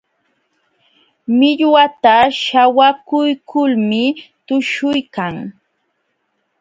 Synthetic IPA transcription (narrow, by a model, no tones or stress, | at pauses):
mɪʎwat̪aʃawakʊjkʰʊlmɪt̪ʊʃʊjkaŋ